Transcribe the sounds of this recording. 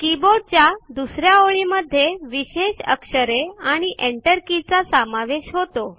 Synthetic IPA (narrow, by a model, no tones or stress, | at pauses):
kiboɖ̚t͡ɕjad̪usɾjaoɭiməd̪ʱːjeʋiɕeɕə̰kʂəɾeaɽ̃iʔeɳʈəɾkit͡sasəmaʋeɕɦot̪o